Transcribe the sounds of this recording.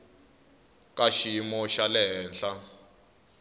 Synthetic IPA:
kʼaʃiimɔʃalɛɦɛːnɬa

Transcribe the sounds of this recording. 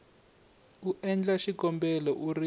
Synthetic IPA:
uʔɛnd͡ɮaʃikɔmbɛlɔʔuri

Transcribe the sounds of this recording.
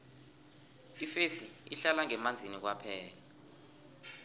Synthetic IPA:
ifesiiɬalaŋɛmand͡zʱinik̬wapʰɛːla

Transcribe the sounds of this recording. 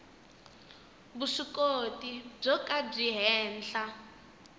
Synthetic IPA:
βuʂikotib͡ʐɔkab͡ʐiɦɛːnɬa

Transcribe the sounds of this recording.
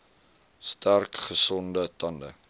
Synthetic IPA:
stærkχəsɔndətɐndə̰

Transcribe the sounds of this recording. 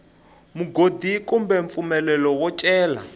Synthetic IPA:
muɡodikumbɛɱfumɛlɛlɔwɔt͡ʃʼɛːla̰

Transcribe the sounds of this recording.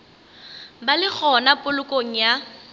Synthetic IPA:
balɪk͡xʰɔnapʼʊlʊkʼoŋ̩ja

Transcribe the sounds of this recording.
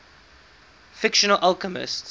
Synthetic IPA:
fɪkʃənəlʔalˠkəmɪ̰st

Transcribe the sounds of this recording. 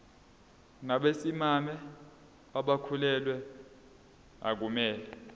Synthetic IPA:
naɓesimamɛ | aɓakʰulɛlwɛ | a̰k̬umɛːlɛ

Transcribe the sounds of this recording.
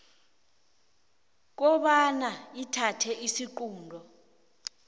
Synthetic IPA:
k̬ɔɓanaitʰatʰɛisiǃuːndʱɔ

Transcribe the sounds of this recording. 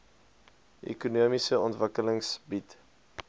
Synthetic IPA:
ʔḛkunuəmisəɔntvəkələŋsbit

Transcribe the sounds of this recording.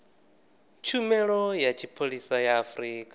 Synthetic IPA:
t͡ʃʰumɛɺɔjat͡ʃʰipʰoɺisajaːfɾiːkʼa

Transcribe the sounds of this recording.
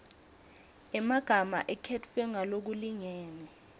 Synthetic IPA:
ɛmaɡ̥ʱama̰ʔɛkʰɛtfɛŋalok̬uliŋɛːnɛ

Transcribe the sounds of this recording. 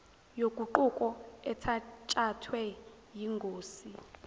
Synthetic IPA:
jokʼuǃukʼɔɛtʰat͡ʃʼatʰwɛ | jiŋɡʱoːsi

